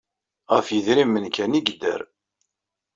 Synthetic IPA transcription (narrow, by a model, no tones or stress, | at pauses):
ʁəfjəðɾimːənkæniɡd̪ə̰ɾ